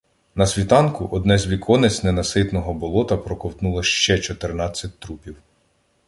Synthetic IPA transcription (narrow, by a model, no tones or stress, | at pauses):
nɐsʲʋʲit̪ɑnkʊʔɔd̪nɛzʲʋʲikʰɔnet͡sʲnenɐsɪt̪nɔɦɔbɔlˠɔt̪ɐpɾɔkɔwt̪nulˠɐʃt͡ʃɛt͡ʃɔt̪ernɑt͡sʲːɐt̚ʲt̪ɾupʲiw